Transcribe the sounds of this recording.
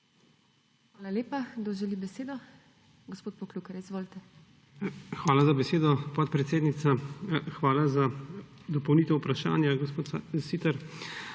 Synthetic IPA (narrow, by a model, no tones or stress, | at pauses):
xʋaːlaleːpad̪oʒɛlibɛseːd̪ɔ | ɡospoːt̪̚pɔkluːkɛɾizʋoːlt̪ɛ | xʋaːlazabɛseːd̪ɔpɔt̪̚pɾɛt̪seːd̪nit̪saxʋaːlazad̪ɔpɔwnit̪ɛupɾaʃa̰ːnjaɡɔspoːt̪siːt̪aɾ